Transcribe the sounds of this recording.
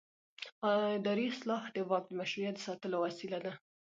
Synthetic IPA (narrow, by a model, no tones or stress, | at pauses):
d̪ɑɾislɑhd̪əbɑk̚d̪əmaʃɾijat̪̚d̪əsɑt̪əlowasilad̪a